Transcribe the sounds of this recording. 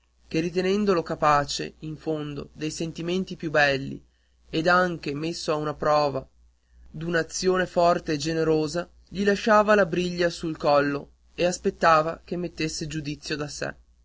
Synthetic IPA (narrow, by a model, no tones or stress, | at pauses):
k̟erit̪enɛnd̪olokapaːt͡ʃḛiɱfond̪o̰d̪ejsent̪iment̪ipjubːɛlːḭ | ed̪aŋk̟emesːoaunapɾɔːva | d̪unaːt̪sːjoːnefɔrt̪eːd͡ʒeneɾoːza | ʎilaʃaːvalabɾiʎːasulkɔlːo | easpet̪ːaːvakemːet̪ːesːed͡ʒud̪it̪sːjod̪asḛ